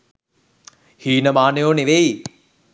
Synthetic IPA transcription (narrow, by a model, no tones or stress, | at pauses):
hiːnəmaːnejoːneʋei